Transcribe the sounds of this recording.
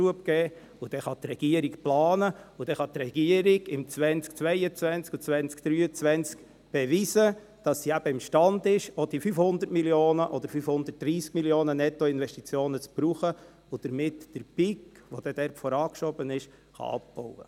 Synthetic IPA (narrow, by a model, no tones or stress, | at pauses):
uəpkɛː | ud̥ɛχɑt̪rɛɡ̥iəɾikplɑːnəud̥ɛχɑt̪rɛɡ̥iəɾiɡɪmt͡sʋɛnt͡skt͡sʋɛɪət͡svænt͡skut͡sʋɛnt͡skd̥ɾyːət͡sʋænt͡sk | b̥ɛʋiːsə | d̥ɑsːiæb̥əɪmʃtɑnd̪ɪʃod̥ifyfhʊnd̪əɾtmiljoːnəʔɔd̪əɾfyfhʊnd̪ət̚d̥ɾiːskmiljoːnənɛtɔɪnvɛʃtit͡sjoːnət͡sb̥ɾuːχə | ʊd̥əɾmɪtːəɾpik | ʋod̥ɛd̥̪ɛɾpfɔɾɑːkʃɔbənɪʃ | χɑ̰ɑ̰p̚b̥ɔwə̰